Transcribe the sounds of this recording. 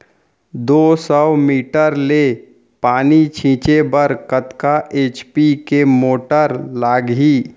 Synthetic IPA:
d̪oːsɔwmiːʈəɾleː | paːnit͡ʃʰĩːt͡ʃebəɾkət̪kaʔeːt͡ʃpikemoːʈəɾlaːɡɦiː

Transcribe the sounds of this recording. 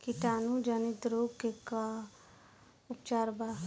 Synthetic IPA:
kiʈaːnud͡ʒənɪt̪ɾoːɡkeka | ʊpt͡ʃaːɾbaː

